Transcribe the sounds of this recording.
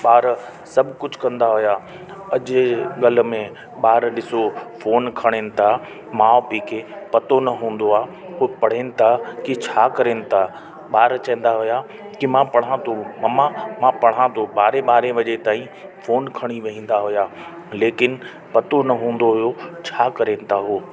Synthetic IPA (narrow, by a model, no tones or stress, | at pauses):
ɓaːɾ | sɐbʱkʊd͡ʑʱkɐ̃nd̪aɦʊjaː | ɐʄɡɐlmẽ | ɓaːɾɗɪsofoːnkʰɐɽ̃eːnɪ̆t̪ʰa | mãopiːkepɐt̪onɐɦũːn̆d̪oaː | pɐɽ̤eːnɪ̆t̪ʰakit͡ɕʰaːkɐɾeːnɪ̆t̪ʰa | ɓaːɾt͡ɕɐ̃ẽːn̆d̪aɦʊja | kimãpɐɽ̤ãt̪ʰomɐmãmãpɐɽ̤ãt̪ʰoɓaːɾeɓaːɾẽʋɐʄet̪aːĩ | foːnkʰɐɽ̃iʋɐɦĩːn̆d̪aɦʊjaː | leːkɪnɪ̆ | pɐt̪onɐɦũːn̆d̪oɦʊjot͡ɕʰaːkɐɾeːnɪ̆t̪ʰaɦoː